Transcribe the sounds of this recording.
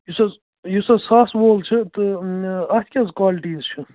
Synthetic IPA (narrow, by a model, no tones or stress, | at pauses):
jusɐz | jusɐsaːsʋoːlt͡ʃʰit̪ɨɐt̪ʰʲkʲɐzkwaːlʈiːzt͡ʃʰi